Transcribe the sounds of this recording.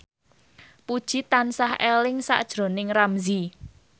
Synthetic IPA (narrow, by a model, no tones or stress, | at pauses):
pud̥ʒ̥it̪ansahelɪŋsa̰ʔd̥ʒ̥ɾo̤nɪŋramzi